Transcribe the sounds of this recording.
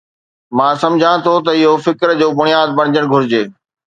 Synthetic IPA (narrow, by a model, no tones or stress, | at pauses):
mãːsɐ̃md͡ʑʱãt̪ʰot̪ɐɪɦofɪkɾd͡ʑoːbʊɽ̃ijaːd̪̚bɐɽ̃ɪd͡ʑəɽ̃ɡʱʊɾɪd͡ʑeː